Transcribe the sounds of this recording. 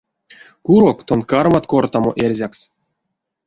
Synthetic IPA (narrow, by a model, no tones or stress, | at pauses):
kuɾokt̪onkarmat̪kort̪amo̰ʔerʲzʲaks